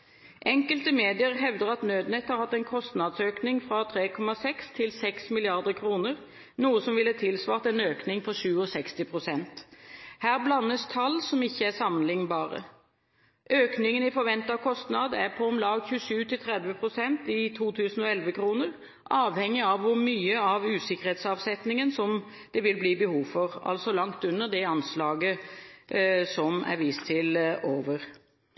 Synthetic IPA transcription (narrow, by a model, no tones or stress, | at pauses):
ʔɛŋkəlt̪əmeːd̪ɪəʁɦɛʋd̪əʁɑt̪nøːd̪nɛt̪hɑɾhɑt̪ːɛnkʰɔst̪nɑd̪søːknɪŋfɾɑt̪ʰɾeːkʰɔmɑsɛkst̪ʰɪlsɛksmɪlɪɑʁd̪əkʰɾuːnəʁ | nuːəsɔmʋɪlːt̪ʰɪlsʋɑːʁt̪ɛnøːknɪŋpʰɔʃʉːɔsɛkst̪ɪpʰʁʊsɛnt̪hæːʁblɑnːəst̪ʰɑlːsɔmɪçːəæsɑmnlɪŋnbɑːʁə̰ | ʔøːknɪŋənɪfɔɾʋɛnt̪ɑkʰɔst̪nɑd̪æʁpʰɔɔmlɑːɡçʉʂʉːt̪ʰɪlt̪ʰɾɛd̪ʋəpʰɾʊsɛnt̪ɪt̪ʰuːt̪ʰʉːsn̩ɔɛlʋəkʰɾuːnəʁ | ʔɑːʋhɛŋːɪɑʋːʊɾmyːəɑʋʉːsɪkːəʁheːt̪sɑːʋsɛt̪nɪŋənsɔm | d̪̥ɛʋɪlbliːbəhuːʋfɔʁɑ̰lsɔlɑŋt̪ʉnːəʁd̪ɛɑnslɑːɡə | sɔmæ̰ɾʋiːst̪ʰɪloːʋəʁ